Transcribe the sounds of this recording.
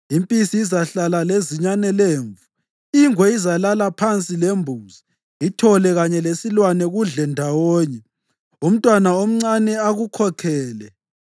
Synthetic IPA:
impʼisiːzaɬalaleziɲanɛleːɱvu | iŋwɛizalalapʰant͡sʼilembʱuzi | itʰɔlɛɣaɲɛlesilwanɛɣuɮɛndʱawɔːɲɛ | um̩tʼwanaom̩ŋ͡ǀanɛaɣukʰɔkʰɛːlɛ

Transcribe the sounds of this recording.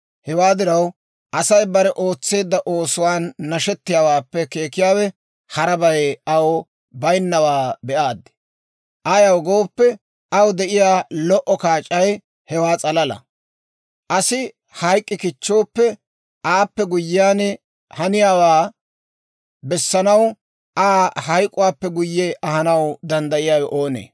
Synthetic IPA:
hɛwaːd̪ɪɾɐw | ʔɐsɐjbɐɾɛʔoːt͡sːe̞ːd̪ːɐʔo̞ːsʊwaːnːɐʃɛt̪ːɪjaːwaːpːɛke̞ːkɪjaːwɛ | hɐɾɐbɐjɐw | bɐjnːɐwaːbɛʔaːd̪ːɪ̥ | ʔɐjɐwɡo̞ːpːɛ | ɐwd̪ɛʔɪjaːlɔʔɔkaːt͡ʃʼːɐj | hɛwaːt͡sʼɐlɐlɐ̰ | ʔɐsɪ | hɐjkʼːɪkɪt͡ʃːo̞ːpːɛ | ʔaːpːɛɡʊjːɪjaːnɛ | hɐnɪjaːwaː | bɛsːɐnɐw | ʔaːhɐjkʼːʊwaːpːɛɡʊjːɛʔɐhɐnɐwd̪ɐnd̪ɐʔɪjaːwɛʔoːnḛː

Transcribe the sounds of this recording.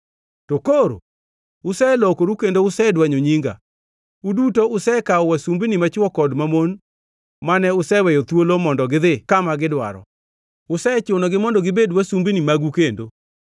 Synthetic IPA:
tokoɾo̰ | ʊsɛlɔkoɾukendoʊsɛdwaɲoɲiŋɡa̰ | udutoʊsɛkaɔwasumbinimat͡ʃwɔkɔdmamon | manɛʊsɛwɛjɔt̪wolomɔndɔɡɪðɪkamaɡɪdwa̰ɾɔ̰ | ʊsɛt͡ʃonoɡɪmɔndɔɡɪbedwasumbinimaɡukendo

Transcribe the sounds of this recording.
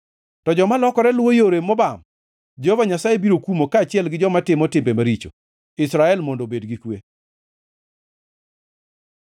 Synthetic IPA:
tɔd͡ʒɔmalɔkɔɾɛlwojoɾemːɔbam | d͡ʒehovaɲasajebiɾokumokaːt͡ʃɪɛlɡɪd͡ʒɔmatɪmɔtɪmbemaɾit͡ʃo̰ | ɪsɾaɛlmondobedɡikwe

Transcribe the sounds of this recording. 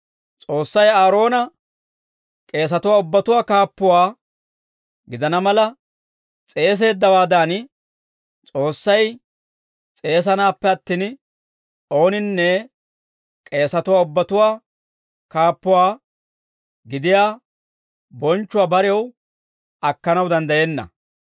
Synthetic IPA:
t͡sʼo̞ːsːɐjaːɾo̞ːnɐ | kʼe̞ːs̬ɐt̪ʊwaːʊbːɐt̪ʊwaːkaːpːʊwaː | ɡɪd̪ɐnɐmɐlɐ | t͡sʼe̞ːs̬e̞ːd̪ːɐwaːd̪aːn | t͡sʼo̞ːsːɐj | t͡sʼe̞ːs̬ɐnaːpːɛɐt̪ːiːn | o̞ːnɪnːɛ | kʼe̞ːsɐt̪ʊwaːʊbːɐt̪ʊwaː | kaːpːʊwaː | ɡɪd̪ɪjaː | bɔnt͡ʃːʊwaːbɐɾɪɛw | ɐkːɐnɐwd̪ɐnd̪ɐjenːɐ̰

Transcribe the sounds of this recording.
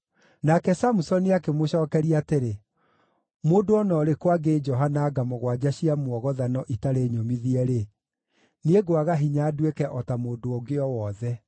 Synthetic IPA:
nakɛsamusɔniakemoɕɔːkɛɾiateɾe | moːdoɔnɔːɾekwaɡed͡ʒɔɦanaːɡamɔɣwad͡ʑaɕiamwɔɣɔðanɔʔitaɾeɲomiðiɛɾe | neɡoaɣaɦiɲaːdwekɛʔɔtamoːdoɔɡeɔwɔðɛ

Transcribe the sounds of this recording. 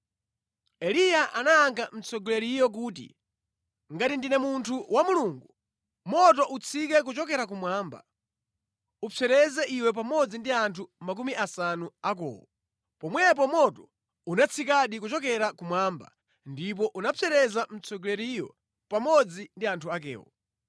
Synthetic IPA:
ɛlijaʔanaaŋkam̩t͡sʰɔɡlɛɾijɔk̬uːtḭ | ŋɡatindinɛmuntʰuwamuluŋɡu | mɔt̬ɔʔut͡sʰik̬ɛk̬ut͡ʃɔkɛɾak̬umwaːmba̰ | upʰɛɾɛzɛʔiwɛp̬amɔd͡zindiantʰumak̬umiʔasanuakɔ̰ːwɔ | pɔmwɛp̬ɔmɔtɔ | unat͡sʰikaɗikut͡ʃɔkɛɾakumwaːmba̰ | ndipɔʔunapʰɛɾɛzam̩t͡sʰɔɡlɛɾijɔ̰ | pamɔd͡zindiantʰuak̬ɛ̰ːwɔ̰

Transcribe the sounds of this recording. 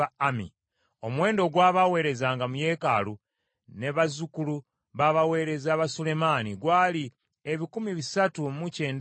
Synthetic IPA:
amḭ | o̞mwe̞ːndo̞ɡwaːβawe̞ːɾe̞zaːŋɡamuje̞ːka̰lu | ne̞βazukulu | βaβawe̞ːɾe̞zaβasule̞maniɡwaːli | eβikumiβisatumuce̞ːnd

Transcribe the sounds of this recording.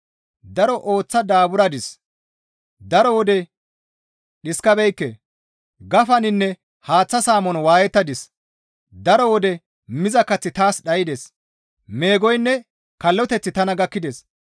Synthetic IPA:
d̪ɐɾɔʔo̞ːt͡sːɐd̪aːbʊɾɐd̪ɪs | d̪ɐɾɔwɔd̪ɛ | ɗɪskɐbɛjkːḛ | ɡɐfɐnɪnːɛ | haːt͡sːɐsaːmɔnwaːjɛt̪ːɐd̪ɪs | d̪ɐɾɔwɔd̪ɛ | mɪzɐkːɐt͡sːɪt̪aːsɗɐjɪd̪ɛs | me̞ːɡɔjnːɛ | kɐlːɔt̪ɛt͡sːɪt̪ɐnɐɡɐkːɪd̪ɛs

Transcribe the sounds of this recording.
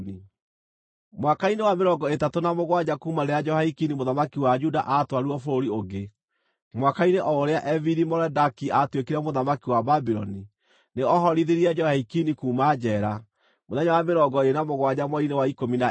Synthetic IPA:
i | mwakainewameɾɔɡɔetatonamoɣwad͡ʑakumanead͡ʒɔhaikinimoðamakiwad͡ʒudaʔatwaɾuɔfoɾoɾioɡe | mwakaineʔɔoɾeaʔɛviɾimɔɾɛdakiatwekiɾɛmoðamakiwababiɾɔni | neɔɦɔɾiðeɾiɛd͡ʒɔhaikinikuːmad͡ʒɛɾa | moðɛɲawameɾɔɡɔenamoɣwad͡ʑamwɔinewaikomina

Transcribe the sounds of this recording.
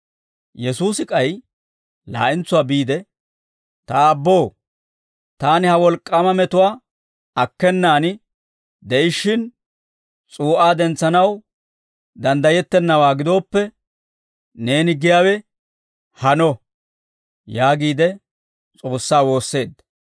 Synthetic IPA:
jɛsuːsɪkʼɐj | la̰ːʔɪnt͡sːʊwaːbiːd̪ɛ | t̪ɐbːo̞ː | t̪aːnɪhɐwɔlkʼːɐmɐmɛt̪ʊwaː | ɐkːɛnːaːnɪ | d̪ɛʔɪʃːɪn | t͡sʼuːʔaːd̪ɛnt͡sːɐnɐw | d̪ɐnd̪ɐjɛt̪ːɛnːɐwaːɡɪd̪o̞ːpːɛ | ne̞ːnɪɡɪjaːwɛ | hɐnɔ | jaːɡiːd̪ɛ | t͡sʼo̞ːsːaːwo̞ːsːe̞ːd̪ːɐ̥

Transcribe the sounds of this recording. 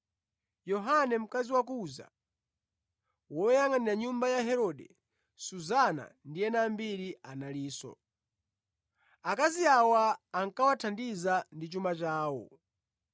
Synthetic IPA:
jɔɦanɛm̩kaziwak̬uza̰ | wɔɛjaŋaniɾaɲumbajaɦɛɾɔɗɛ | suzana̰ndiɛnambiɾianaliːsɔ̰ | akaziawaːŋkawatʰandizandit͡ʃumat͡ʃaːwɔ̰

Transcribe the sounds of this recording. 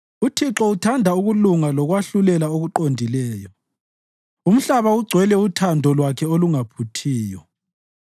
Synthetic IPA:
utʰiǁɔutʰandʱauɣuluŋalɔɣwaɬulɛlaoɣuǃondʱilɛːjɔ | um̩ɬaβauɡ͡ǀʱwɛlɛutʰandʱɔlwakʰɛoluŋapʰutʰiːjɔ

